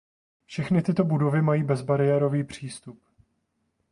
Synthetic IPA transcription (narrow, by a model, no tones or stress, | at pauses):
fʃɛxnɪt̪ɪt̪o̞budo̞vɪmajiːbɛzbaɾɪjɛɾo̞viːpr̝̥iːst̪up